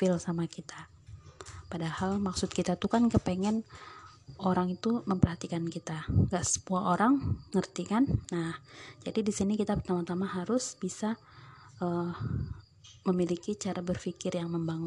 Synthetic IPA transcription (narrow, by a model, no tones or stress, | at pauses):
fɪlsamakit̪a | padahalmaksʊt̪̚kit̪at̪ukankəpɛŋɛn | oɾaŋit̪uməmpərɦat̪ikankit̪aŋɡaʔsə̥muaʔoɾaŋŋərt̪ikanːahd͡ʒadidisinikit̪apərt̪amat̪amaɦaɾʊsb̥isa | ʔə | məmilikit͡ʃaɾabərfikɪrjaŋməmbaŋ